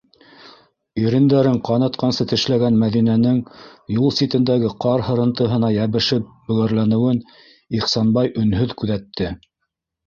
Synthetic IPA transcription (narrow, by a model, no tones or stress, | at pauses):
iɾɘ̆nd̪æɾɘɴqɑnɑt̪qɑnsɤt̪ɘ̆ʃlæɡænmæðinænɘŋjulˠsʲit̪ɘ̆nd̪æɡɘqɑɾhɤ̆ɾɤ̆nt̪ɤ̆ɦɤ̆nɑjæβɘ̆ʃɘp̚bɵ̆ɡæɾlænɘ̆wɘn | iχsɑnbɑjʔɵ̆nɦɵðkʉðæt̪ːɘ